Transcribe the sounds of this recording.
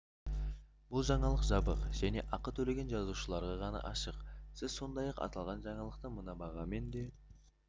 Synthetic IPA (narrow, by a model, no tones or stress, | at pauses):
b̥ʊlˠʒɑɴɑlˠəqʒɑbəqʒ̥æne̞ʔɑqət̪ʰɵle̞ɡʲenʒɑzuʃəlˠɑɾʁɑʁɑnɑ̰ʔɑʃəqsɪzso̞nd̪ɑjɑqɑ̰t̪ɑlˠʁɑnʒɑɴɑlˠəq̚t̪əmənɑbɑʁɑme̞nd̪e̞